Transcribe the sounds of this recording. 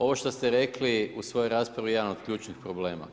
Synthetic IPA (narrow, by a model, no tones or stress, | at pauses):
o̞ʋo̞ʃt̪ost̪eɾe̞kliusʋo̞jojɾaːspɾaʋije̞d̪ano̞d̪̚kʎʲuːt͡ʃnixpɾo̞bleːma̰